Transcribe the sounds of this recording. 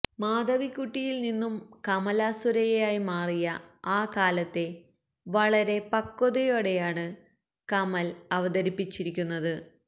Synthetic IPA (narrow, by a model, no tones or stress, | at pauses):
maːd̪ɐʋikːuʈːijilninːumkɐmɐlaːsuɾɐjejaːjimaːrijɐaːkaːlɐt̪ːe̞ | ʋɐɭɐɾe̞pɐkːoðɐjoːɽe̞jaːɳɨ | kɐmɐlɐʋɐdɐɾipːit͡ɕːiɾikʲːunːɐðɨ